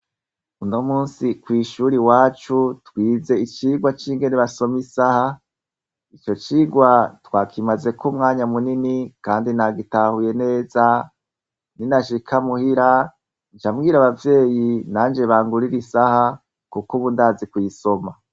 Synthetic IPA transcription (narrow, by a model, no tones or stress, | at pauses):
uno̞muːnsikwiːʃuːɾiwaːt͡ʃutwiːze̞it͡ʃiːɡwat͡ʃiːŋɡe̞neβaso̞misaha | it͡ʃo̞t͡ʃiːɡwatwaːkʰimaze̞kʰumŋaːɲamuninikaːndinaɡitahuje̞ne̞ːza | ninaʃikʰamuhiɾa | nt͡ʃamɡiːɾaβavje̞ːjinaːnd͡ʒe̞βaːŋɡuɾiɾisaha | kukuβundaːzikwiso̞ma